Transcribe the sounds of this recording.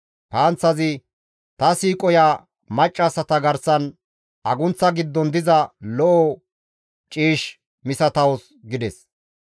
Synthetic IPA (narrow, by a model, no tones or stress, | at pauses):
paːnt͡sːɐzɪ | t̪ɐsiːkʼɔjaː | mɐt͡ʃʼːɐsɐt̪ɐɡɐɾsɐn | ʔɐɡʊnt͡sːɐɡɪd̪ːɔnd̪ɪzɐlɔʔɔ | t͡ʃʼiːʃ | mɪsɐt̪ɐwɔs | ɡɪd̪ɛs